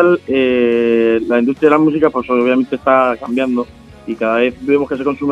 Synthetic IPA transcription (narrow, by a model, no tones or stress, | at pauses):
ale | lainust̪ɾjaðelamus̬ikapwe̞soβ̞jame̞nt̪est̪akambjand̪o | ikaðaβe̞θbe̞mo̞skese̞ko̞nsum